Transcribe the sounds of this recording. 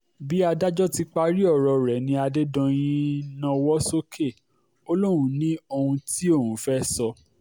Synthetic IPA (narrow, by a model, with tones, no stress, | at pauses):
bi˨˦a˧da˦d͡ʒɔ˦ti˧k͡pa˧ɾi˦ɔ˦˨ɾɔ˧ɾɛ˨nĩ˧a˧de˦dɔ̃˧j̃ĩ˦nã˧wɔ˦so˦kʰe˦˨ | o˦lo˦wũ˦nĩ˦o˧hũ˧ti˦o˦˨hũ˨˦fɛ˦sɔ˧